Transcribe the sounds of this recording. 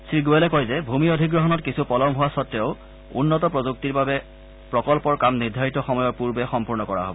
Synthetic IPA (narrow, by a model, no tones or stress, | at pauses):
siɡuɛlɛkɔjzɛbʱumiodʱiɡɹɔɦɔnɔtkisʰupɔlɔmɦʊwasɔtːɛʊ | ṵnːɔtɔpɹɔzuk̚tiɹbabɛ | pɹɔkɔlpɔɹkamniɹdʱaɹitɔxɔmɔjɔɹpuɹbɛxɔmpuɹnɔkɔɹa̰ɦɔ̰bɔ